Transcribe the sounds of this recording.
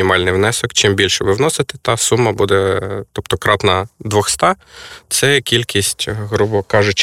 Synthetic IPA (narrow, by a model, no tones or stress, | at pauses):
ɪmɑlʲnɪjʋnɛsɔkt͡ʃɪmbʲilʲʃɛbɪwnɔsɪt̪ɪt̪ɑsumːɐbud̪ɛt̪ɔpt̪ɔkɾɑt̪nɐd̪ʋɔxst̪ɑt̪sɛkʲilʲkʲisʲtʲɦɾubɔkɑʒʊt͡ʃ